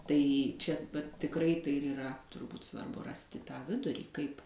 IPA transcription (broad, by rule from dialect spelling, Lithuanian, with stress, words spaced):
ˈtɐɪ ˈt͡ʃʲɛ ʋɐt tʲɪkˈrɐɪ ˈtɐɪ ɪr iːˈrɐ tʊrˈbuːt sʋɐrˈbʊ ˈrɑːsʲtʲɪ tɑː ˈʋʲɪdʊrʲiː ˈkɐɪp